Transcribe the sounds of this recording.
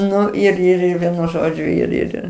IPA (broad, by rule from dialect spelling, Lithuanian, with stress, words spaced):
ˈnʊ ɪr ɪr ˈɪr ˈʋʲiɛnʊ ˈʒoːd͡ʒʲʊ ɪr ˈɪr